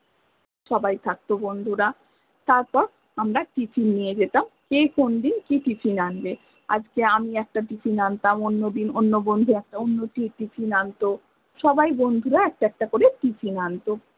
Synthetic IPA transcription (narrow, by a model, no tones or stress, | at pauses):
ʃɔbajt̪ʰak̚t̪obond̪ʱuɾa | t̪aɾpɔɾ | amɾaʈit͡ɕʰinːijed͡ʑet̪amkejkond̪inkiʈit͡ɕʰinanbe | a̰d͡ʑkeamiɛk̚ʈaʈit͡ɕʰinant̪amonːod̪inonːobond̪ʱuɛk̚ʈaonːoʈiʈit͡ɕʰinant̪o | ʃɔbajbond̪ʱuɾaɛk̚ʈaɛk̚ʈakoɾeʈit͡ɕʰinant̪o